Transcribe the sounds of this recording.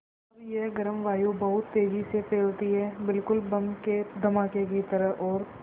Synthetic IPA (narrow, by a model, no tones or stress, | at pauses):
ɾjeɦɡɐɾəmʋaːjubɐɦʊt̪ːeːd͡ʒisepeːlt̪iɦɛːbɪlkʊlbɐmked̪ʱɐmaːkek̬it̪ɐɾəɦɔːɾ